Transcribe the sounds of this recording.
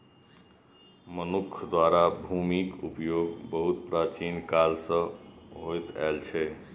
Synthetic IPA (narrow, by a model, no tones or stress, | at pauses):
mənukʰd̪waɾabʱumikupjoɡbəɦut̪pɾat͡ʃinkalsə̃ɦojt̪ɛ̰lt͡ʃʰɛ